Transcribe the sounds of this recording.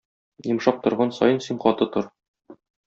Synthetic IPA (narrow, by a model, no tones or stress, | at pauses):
jɤ̆mʃɑq̚t̪ŏɾʁɑnsɒ̰jɤnsiɴqɒt̪ɤt̪oɾ